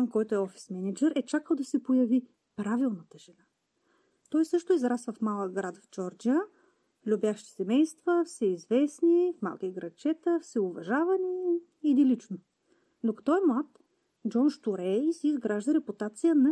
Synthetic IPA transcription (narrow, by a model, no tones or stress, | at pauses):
amkɔjt̪oɛɔfi̥smɛnɛd͡ʒɛɾɛt͡ʃakəlˠd̪ɐsɛpojɐvi | pɾavilˠnɐt̪əʒɛna | t̪ɔjsɤʃt̪oizɾasvəfmalˠəɡɾat̪vd͡ʒɔɾd͡ʒiə | lʲubʲjaʃt̪i̥sɛmɛjst̪vəfsɛizvɛsnifma̰lˠkiɡɾɐt͡ʃɛt̪əfsɛʊvɐʒavɐniː | d̪ilit͡ʃno | d̪okɐ̥t̪ɔɛmlˠat̪ | d͡ʒɔnʃt̪uɾɛsiizɡɾaʒd̪ɐɾɛpʊt̪at̪sijənɐ